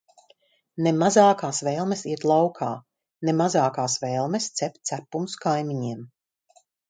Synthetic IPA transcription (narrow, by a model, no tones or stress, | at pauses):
nemazaːkaːsvɛːlˠmesiɛt̪lˠawkʰaː | nemazaːkaːsvɛːlˠmest̪sɛp̚ʲt̪t̪sæpumskajmiɲiɛm